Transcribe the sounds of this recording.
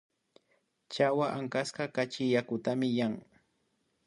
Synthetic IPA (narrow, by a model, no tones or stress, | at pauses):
t͡ʃawaʔaŋkaskɑkat͡ʃɪjakʊt̪amɪjaŋ